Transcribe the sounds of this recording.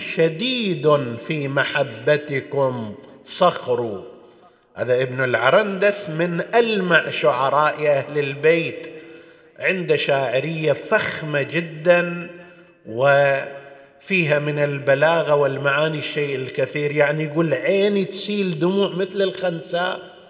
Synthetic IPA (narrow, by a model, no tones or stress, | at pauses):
ʃad̪iːd̪fimaħabːat̪ɪkʊmsˤɑxɾu | ha̰ːðaʔɪbnɪlʕɑɾˤɑnd̪aθmɪnʔalmaʕʃʊʕɑɾˤɑːʔʔahlɪlbeːt̪ | ʕɪnd̪aʃaːʕɪɾɪjːafaxmad͡ʒɪd̪ːan | wɪ | fiːɦamɪnɪlbalaːɣawɪlmaʕaːniʃːeːʔɪlkɪθiːɾjaʕnijɡuːlʕeːnit̪siːld̪ʊmuːʕmɪθlɪlxansaːʔ